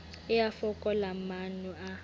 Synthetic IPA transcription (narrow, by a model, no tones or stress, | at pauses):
ɪjafɔkʼɔlamanua